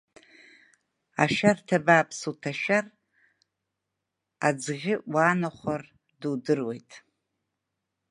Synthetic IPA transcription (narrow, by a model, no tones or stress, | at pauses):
aʃartʰabaːpʰsutʰaʃar | ad͡zʁʲɪaːnaχʷar | dudɨrwe̞jtʼ